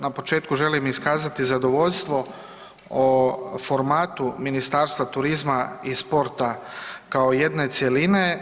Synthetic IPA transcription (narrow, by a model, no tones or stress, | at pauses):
napo̞t͡ʃe̞ːt̪kuʒe̞limiskaːzat̪izad̪o̞ʋo̞ʎʲst̪ʋo̞ | ofo̞ɾmaːt̪uminist̪aːɾst̪ʋat̪uɾizmaispo̞ɾt̪akaoje̞d̪ne̞t̪sje̞line